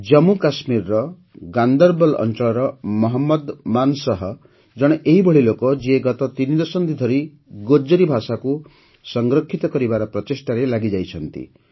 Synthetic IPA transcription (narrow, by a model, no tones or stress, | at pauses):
d͡ʒɔmukasmiɾɾɔ | ɡand̪ɔɾbɔlɔ̰nt͡ʃɔɭɔɾɔmɔɦɔmːɔd̪mansɔɦɔ | d͡ʒɔɽ̃eʔeɦibɔɭ̤ilokɔd͡ʒieɡɔt̪ɔt̪inid̪ɔsɔnd̪id̪ʱɔɾi | ɡod͡ʒɔɾibʱasaku | sɔŋɡɾɔkʰːit̪ɔkɔɾibaɾɔpɾɔt̪esʈaɾelaɡid͡ʒajt͡ʃʰɔnt̪ḭ